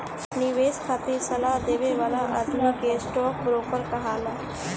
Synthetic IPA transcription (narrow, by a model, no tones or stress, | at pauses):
nɪʋeːskʰaːt̪isɐlaɦd̪eːʋeʋaːlaʔəd̪mikesʈɔːk̚bɾoːkəɾkɐɦaːlaː